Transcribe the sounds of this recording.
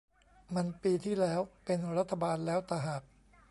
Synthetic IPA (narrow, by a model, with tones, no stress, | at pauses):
ma˧npiː˧t̪ʰiː˥˩lɛː˦˥wpe˧nɾa˦˥t̪ʰːa˧baː˧nlɛː˦˥wt̪a˧ɦaː˨˩k̚